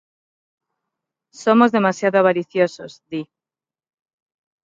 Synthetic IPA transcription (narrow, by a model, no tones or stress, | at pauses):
so̞mo̞zðe̞masjaðoaβaɾiθjo̞sozd̪i